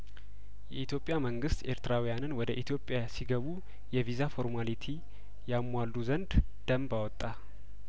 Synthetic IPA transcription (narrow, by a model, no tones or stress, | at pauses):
jɛit̪ʰjo̞pʼjaməŋɡɨst̪e̞ɾt̪ʰɨɾawijanɨnwɔd̪əʔit̪ʰjo̞pʼːjasiɡəβu | jɛvizafo̞ɾmalit̪ʰi | jamːalːuzənd̪ | d̪̥əmbawɔt̪ʼːa